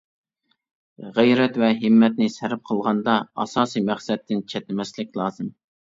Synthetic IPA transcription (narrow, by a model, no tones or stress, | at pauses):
ʁejɾɛt̪vɛɦɪmːɛt̪̚nɪsɛɾɪp̚qʰəlˠʁɑnd̪ɑɑ̰sɑːsijmæχsɛt̪ʰːɪnt͡ʃʰɛt̪ɪmɛslɪk̚ʲlˠɑːzɨm